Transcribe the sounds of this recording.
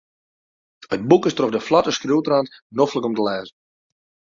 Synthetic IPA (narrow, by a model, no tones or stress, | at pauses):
ət̚bukəstroxdəflɔtəskruwtrantnofləkɔmtəlɛːzən